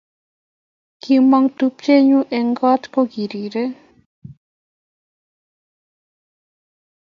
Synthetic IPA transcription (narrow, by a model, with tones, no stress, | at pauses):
ki˧mɔ˧ŋt̪u˧p̚t͡ʃe˦ɲu˦ʔɛ˧ŋɡɔ˦t̪ko˦ɡi˨ɾi˨ɾe˦